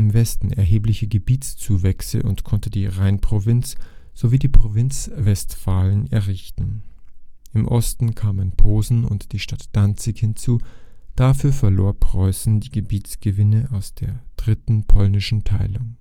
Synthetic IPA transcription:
ɪmvɛstn̩ɛɐɦeːplɪçəɡəbiːtt͡st͡suːvɛksə̰ʔʊ̰ntkʰɔntədiːʁaɪnpʁ̥ovɪnt͡sz̥oviːdiːpʁ̥ovɪnt͡svɛstfaːlənɛɐʁɪçtn̩ | ʔɪmʔɔstn̩kʰaːmənpʰoːzn̩ʊ̰ntd̥iːʃtatd̥ant͡sɪkhɪnt͡suːd̥afyːɐfɛɐloːɐpʁ̥ɔʏsn̩diːɡəbiːt͡sɡ̥əvɪnəʔaʊsd̥eːɐd̥ʁɪtn̩pʰɔlnɪʃn̩tʰaɪlʊŋ

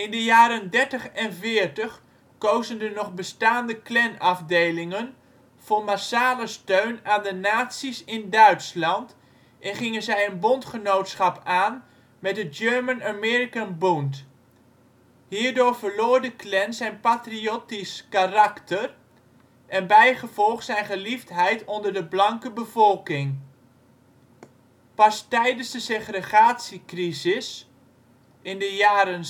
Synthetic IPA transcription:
ɪndəjaːɾəndɛɹtəχɛnvɪːɹtəχ | kowzəndənɔχbəstaːndəklɛnɑfdejlɪŋən | v̥oːɹmasaːləstøɥnaːndənaːtsisɪndœɥtslɑnt | ʔɛnχɪŋənzɛjənbɔntχənowtsχɑpaːn | mɛt̚dəd͡ʒøɹmənamɛɹikanbunt | hiːɹdoːɹvəɹloːɹdəklɛnsɛjnpatriotiskarɑktər | ɛnbɛjχəvɔlˠχsɛjnχəliftɦɛjtɔndərdəblɑŋkəbəvɔlˠkɪŋ | pɑstɛjdənzdəseχrəχaːtsikrizɪs | ɪndəjaːɾən

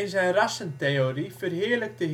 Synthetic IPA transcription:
ɪnzɛjnrɑsənt̪ejoɾifərɦɪːɹlək̚tə

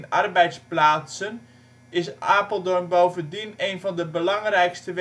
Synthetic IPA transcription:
narbɛjtsplaːsən | ɪsaːpəlˠdɔnbowvəndineːnvɔndəbəlɑŋrɛjkstəʋ

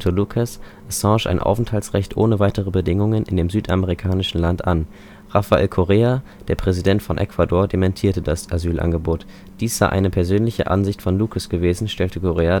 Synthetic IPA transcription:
tʰolukʰas | ʔɛsɑ̃ːʃʔa̰ɪnʔa̰ʊfn̩thaltsʁ̥ɛçtʔo̰ːnəvaɪtəʁəbədɪŋʊŋənɪ̰ndeːmzyːtʔameʁikʰaːnɪʃn̩lantʔa̰n | ʁafaʔḛːlkʰoʁeːa | d̥eːɐpʁ̥ɛzidɛntfɔnʔɛ̰kv̥adoːɐdemɛntʰiːɐtədasʔazyːlʔa̰nɡəboːt | d̥iːsz̥aɪʔa̰ɪnəpʰɛɐzøːnlɪçə̰ʔa̰nzɪçtfɔnlukʰəsɡ̥əveːzn̩ʃtɛltəkʰoʁeːa

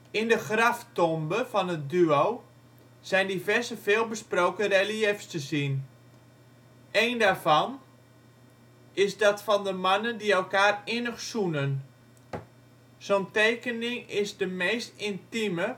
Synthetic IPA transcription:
ɪndəxraftɔmbəfɔnət̚dyow | z̥ɛjndivɛrzəfeːlˠbəsprowkəreliɛfstəzin | ʔejndaːrvɔn | ɪsdɔtfɔndəmanəndiɛlˠkaːrɪnəxsunən | z̥oːntejkənɪŋɪsdəmejstɪntimə

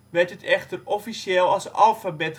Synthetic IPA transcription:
ʋɛtətʰɛχtərɔfiseːlˠɑlˠsɑ̰lˠfabɛt

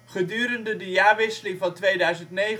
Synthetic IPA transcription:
χədyːɾəndədəjaːɹʋɪsəlɪŋvɑntʋejdœɥzəntnej

